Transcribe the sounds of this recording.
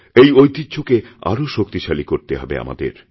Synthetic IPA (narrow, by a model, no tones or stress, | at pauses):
ejojt̪id̪ːd͡ʑʰokea̰ɾoʃokt̪iʃalikoɾt̪eɦɔbḛa̰ma̰d̪ḛɾ